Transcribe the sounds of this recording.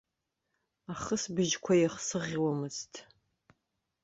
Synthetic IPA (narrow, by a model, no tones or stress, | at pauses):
aχəsbɨʒkʷʰɐjɛχsɨʁʲiwɐmɨztʰ